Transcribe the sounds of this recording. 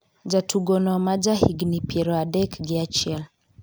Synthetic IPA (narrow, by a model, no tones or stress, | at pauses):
d͡ʒatʰuɡɔnɔmad͡ʒahiɡnipʰɛɾɔadɛkɡiat͡ʃɛl